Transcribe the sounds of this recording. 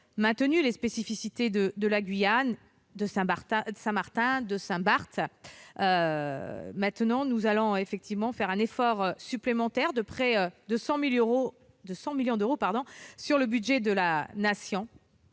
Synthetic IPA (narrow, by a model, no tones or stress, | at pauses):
mɛ̃t̪ənylespesifisit̪ed̪əd̪əlaɡɥijan | d̪əsɛ̃ɛd̪əsɛ̃maʁt̪ɛ̃d̪əsɛ̃baʁt̪ø | mɛ̃t̪nɑ̃nuzalɔ̃efɛk̚t̪ʰivmɑ̃fɛʁɛ̃nefɔʁøsyplemɑ̃t̪ɛʁd̪əpχɛød̪əsɑ̃milʁo | d̪əsɑ̃miljɔ̃d̪øʁopaʁd̪ɔ̃syʁləbyd̪ʒɛd̪əlanasjɔ̃